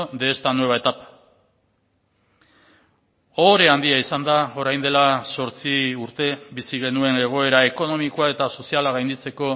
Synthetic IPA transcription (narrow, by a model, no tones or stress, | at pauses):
d̪e̞ːst̪anwe̞βaet̪ap | oɾe̞and̪iaisand̪ao̞ɾajnd̪e̞laso̞ɾt͡siuɾt̪e̞bisiɣ̞e̞nue̞ne̞ɣ̞o̞e̞ɾaeko̞no̞mikoae̞t̪aso̞sialaɣ̞ajnd̪it͡se̞ko̞